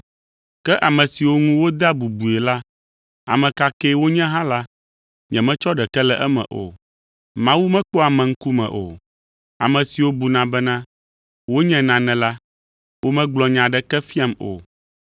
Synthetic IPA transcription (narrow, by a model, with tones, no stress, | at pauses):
kɛ˦ʔa˨mɛ̃˨si˨wo˦ŋũ˦wo˦d̪a˦bu˨bu˨ɛ˨la˦ | a̰˨mɛ̃˨ka˦kɛ˦wo˦ɲɛ̃˦ɦã˦la˦ | ɲɛ̰̃˨mɛ̃˦t͡ʃɔ˦ɖɛ˨kɛ˦lɛ˦ʔɛ˦mɛ̰̃˨ʔo̰˨ | mã˦wu˦mɛ̃˦k͡po˦a˨mɛ̃˨ŋ̩˦ku˦mɛ̰̃˨ʔo̰˨ | a̰˨mɛ̃˨si˨wo˦bu˨nã˨bɛ˦nã˦ | wo˦ɲɛ̃˦nã˨nɛ̃˨la˦ | wo˦mɛ̃˦ɡ͡blɔ˨ɲã˨ɖɛ˦kɛ˦fi˦a˦mo̰˨